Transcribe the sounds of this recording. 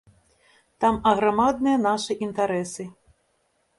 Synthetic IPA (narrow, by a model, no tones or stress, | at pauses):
t̪amɐɣɾamad̪nɨjɐnaʂɨʔint̪aɾɛsɨ